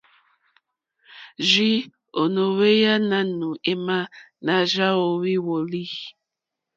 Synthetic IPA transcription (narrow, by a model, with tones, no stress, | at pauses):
ʒi˦ | o˨no˨we˦ja˦na˦nu˨e˦ma˦ | na˨ʒa˦o˨wi˦wo˨li˦